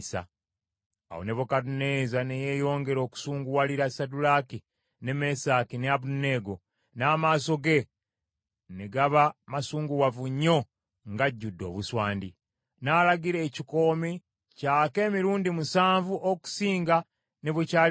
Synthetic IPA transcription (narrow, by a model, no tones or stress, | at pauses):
sa̰ː | wo̰neβokadunezane̞je̞ːjo̞ːŋɡe̞ɾo̞ːku̥suːŋɡuwaliɾasadulaki | ne̞me̞sakineaβune̞ːɡo̞ | naːmaːso̞ɡe̞ | neɡaβamasuːŋɡuwavuɲːo̞ | ŋɡaɟːudːo̞̰ːβuswaːndi | naːlaɡiɾe̞ːciko̞ːmi | caːke̞ːmiɾuːndimusaːɱvuʔoku̥siːŋɡa | ne̞βwecaː